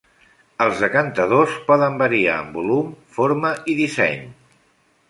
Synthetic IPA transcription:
əlˠzəkənt̪əðospɔðəmbəɾia̰əmbulumfoɾməiðisɛ̰ɲ

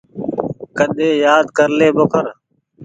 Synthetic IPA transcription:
kəɗeːjaːd̪kəɾleːboːkʰəɾ

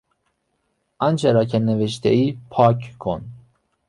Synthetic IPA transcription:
ʔɑnt͡ʃʰeɾɑcʰæneveʃt̪ʰeiːpʰɒːcʰkʰon

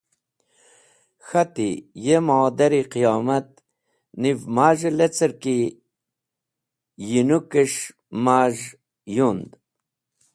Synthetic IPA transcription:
xɐt̪ijemaːd̪ɐɾiqijaːmɐt̪̚ | nivmaːʒlet͡səɾki | jinukəʂ | maːʒ | jund̪

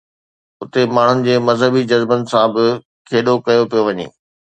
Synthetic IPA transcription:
ʊt̪emaːɳ̤ʊnɪ̆d͡ʑeːmɐzɦəbid͡ʑɐzbənɪ̆sãbɪ | kʰeːɗokɐjopijoʋɐɲḛː

